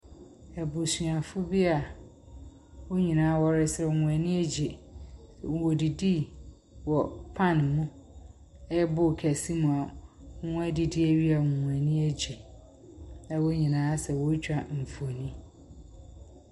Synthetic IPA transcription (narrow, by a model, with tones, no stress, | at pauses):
ɛ˨bʊ˨su˨a˨fʊ˦bi˦a˨ | wo˦ɲĩ˨nãː˨˦wɔ˦ɾɪ˦sɾɛ˨ŋũ˨æ˨nĩ˦æ˦d͡ʑe˨sɛ̰˨wo˨di˨di˦ | wɔ˨pʰã˦˨nmũ˦ | ɛ˦bʊ˦˨kʰæ˨si˦mũ˨a˨˦ũ˦æ˦di˨di˦æ˦˨ɥi˦a˨ŋũ˨æ˨nĩ˦æ˦d͡ʑi˨ | nã˦wo˦ɲĩ˨nãː˦sɛ˨wo˦t͡ɕᶣa˨m̩˨fu˨o˨nĩ˦